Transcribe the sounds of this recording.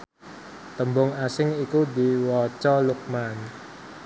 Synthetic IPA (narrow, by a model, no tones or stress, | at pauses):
t̪əmbʊŋasɪŋikud̪iwɔt͡ʃɔluk̚man